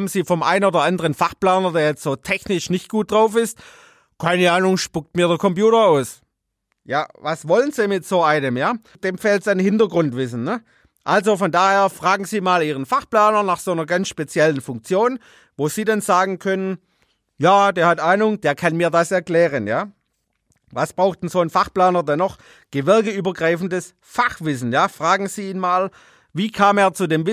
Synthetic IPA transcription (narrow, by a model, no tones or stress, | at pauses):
bn̩ziːfɔmʔa̰ɪnoːdɐʔandəʁənfaχplaːnɐdeːɐjɛt͡stz̥oːtʰɛçnɪʃnɪçt̚ɡ̥uːt̚d̥ʁaʊfɪst | kʰaɪnəaːnʊŋʃpʊk̚tmiːɐdəɐkʰɔmpjuːtɐaʊs | jaːvasvɔlənziːmɪtz̥oːʔaɪnəmjaː | d̥eːmfeːltsaɪnhɪntɐɡʁʊntv̥ɪs̬n̩nə | ʔalzofɔndaːheːɐfʁ̥aːɡŋ̩ziːmaːliːʁənfaχplaːnɐnaχsoːnɐɡansʃpet͡sjɛlənfʊŋk̚t͡sjoːn | voːz̥iːdanzaːɡŋ̩kʰœnən | jaːdeːɐhatʔaɪnʊŋdeːɐkʰanmiːɐdasɛɐklɛːʁ̞ənjaː | vasb̥ʁaʊxtn̩zoːənfaχplaːnɐdɛnːɔχ | ɡ̥əvɪɐɡəyːbɐɡʁaɪfn̩dəs | faχv̥ɪsn̩jaːfʁ̥aːɡŋ̩z̥iːiːnmaːl | viːkʰaːmeːɐt͡sudeːmvɪ